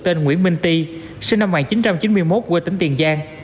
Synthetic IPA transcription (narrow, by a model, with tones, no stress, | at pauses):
t̪e˧nŋwḭ˧˥ənmï˧ŋ̟t̪i˧ | si˧ŋna˧mŋaː˨˩ŋt͡ɕi˨˦nt͡ɕa˧mt͡ɕi˨˦nmɨ˧əjmo˦˥t̚ɣwt̪ï˨˦ŋ̟t̪i˨˩ənzaː˧ŋ